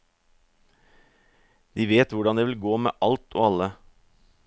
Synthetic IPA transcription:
d̪̥iːʋeːt̪ʋʊɖɑnd̪eːʋɪlɡoːmḛːʔɑlt̪ʰo̰ːɑlə

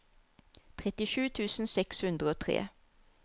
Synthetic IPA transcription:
t̪ʰʁɛt̪ɪʃʉːt̪ʰʉːsn̩sɛkshʉnd̪ʁəoːt̪ʰʁḛː

